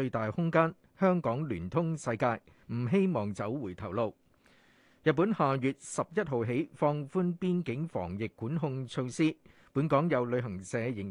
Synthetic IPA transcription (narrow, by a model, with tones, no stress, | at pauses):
ɵ˧ɥt̪aː˨˩jhʊ˥ŋkaː˥n | hœː˥ŋkɔː˨˥ŋlyː˨˩nt̪ʰʊ˥ŋsɐ˧jkaː˧j | m̩˨˩ɦe˥jmɔː˨˩ŋt͡sɐ˨˥wwuː˨˩jt̪ʰɐ˨˩wlo˨˧w | jɐ˨t̚pːuː˨˥nhaː˨˩jyː˨t̚sɐ˨p̚jɐ˥t̚ɦo˨wɦe˨˥jfɔː˧ŋfuː˥npiː˥nkɪ˨˥ŋfɔ̰ː˨˩ŋjɪ˨kːuː˨˥nɦʊ˧ŋt͡ʃʰo˧wsiː˥ | puː˨˥nkɔː˨˥ŋjɐ˨˧wlɵ˨˧ɥɦɐ˨˩ŋsɛː˨˧jɪ˨˩ŋ